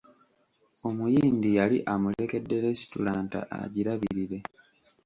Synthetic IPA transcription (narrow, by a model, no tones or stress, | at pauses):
o̞mujiːndijaliʔamule̞ke̞dːe̞ɾe̞si̥tṵlaːnta̰ʔa̰ɟiɾaβiɾiɾe̞